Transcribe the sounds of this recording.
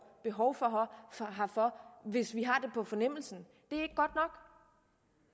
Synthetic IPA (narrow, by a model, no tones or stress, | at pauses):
b̥e̝ɦɒʊfɒ̽ɦɦɑ̈fɒ̽ʋe̝sʋiɦɑ̈d̥e̝pʰɒ̽fɒ̽nem̰l̩sn̩ | d̥e̝æe̝ɡ̥əɡ̥ɒ̽d̥nɒ̽ɡ̥